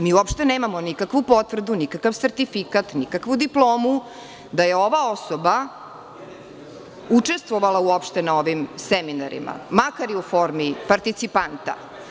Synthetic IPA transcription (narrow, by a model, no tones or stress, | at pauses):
miːuopʃt̪eneːmamonikakʋupo̞t̪ʋr̩d̪unikakaʋseɾt̪ifikat̪nikakʋud̪iplˠoːmu | d̪aje̞o̞ʋaosoba | ut͡ʂe̞st̪ʋoʋalauopʃt̪enao̞ʋimsɛminaɾḭma̰makaɾiufo̞ɾmipaɾt̪it̪sipant̪a̰